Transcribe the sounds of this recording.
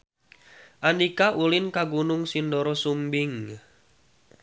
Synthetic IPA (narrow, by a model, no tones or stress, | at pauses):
ʔanikaʔulɪnkaɡunʊŋsindɔɾɔsumbɪŋ